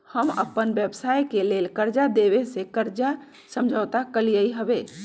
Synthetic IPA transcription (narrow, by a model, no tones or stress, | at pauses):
həmə̰pːənbjəbsajkelelkəɾd͡ʒad̪eβesekəɾd͡ʒa | səmd͡ʒʱəːt̪akəlijəiɦəbe